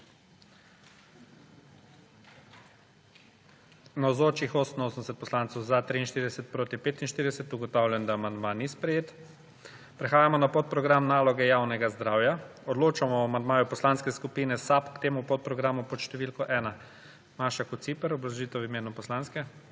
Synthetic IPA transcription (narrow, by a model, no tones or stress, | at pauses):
nawzoːt͡ʃixoːsnoːsənɛsɛt̪̚pɔslant̪sɔwzat̪ɾiinʃt̪iɾid̪ɛsɛt̪̚pɾoːt̪ipeːt̪inʃt̪iːɾid̪ɛsɛt̪uɡɔt̪awlʲjɛnd̪aːmand̪manispɾɛjeːt̪ | pɾɛxaːjamɔnapot̪̚pɾɔɡɾamnaːlɔɡɛjawnɛɡazd̪ɾaːwjaɔd̪loːt͡ʃamɔamand̪maːjupɔslanskɛskupiːnɛsapkt̪eːmupɔt̪̚pɾɔɡɾaːmupɔt̪ʃt̪ɛʋilkɔʔɛːna | maːʃakut̪sipɛɾɔblaʒit̪ɛwimeːnupɔslanskɛ